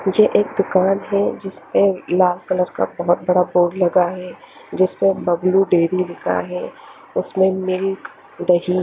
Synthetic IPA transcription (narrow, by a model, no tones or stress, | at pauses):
jeʔeːkd̪ʊkaːnɦɛd͡ʒɪspẽlaːlkələɾka̰bɐɦʊt̪̚bɐɽaboːɽlɐɡaɦɛ | d͡ʒɪspẽbɐbluɖeːɾilɪka̰ɦɛ | ʊsmẽmɪlk | d̪ɐɦi